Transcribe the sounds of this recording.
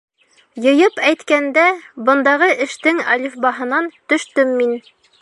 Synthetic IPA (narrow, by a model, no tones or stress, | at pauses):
jɤ̆jɤpæjt̪kænd̪æbɤ̆nd̪ɑʁɤʔɘ̆ʃt̪ɘŋɑ̰lʲifbɑɦɤ̆nɑnt̪ɵ̆ʃt̪ɵmːin